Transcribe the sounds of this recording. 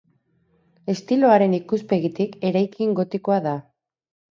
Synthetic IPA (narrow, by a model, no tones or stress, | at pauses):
e̞st̪ilo̞aɾe̞nikuspe̞ɣit̪ike̞ɾajkʰiŋɡo̞t̪iko̞aða